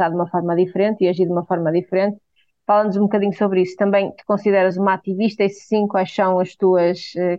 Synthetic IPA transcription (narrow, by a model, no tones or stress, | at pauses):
aɾðumɐfɔɾmɐðifɾẽnt̪iɐʒiɾðumɐfɔɾmɐðifɾẽnt̪ | falˠɐnuzũbukɐðiɲusoβɾisu̥t̪ɐ̃mbɐ̃j̃t̪u̥kõsiðɛɾɐzumat̪iviʃt̪ɐissĩkwajʃsɐ̃w̃ɐʃt̪uɐʃɛ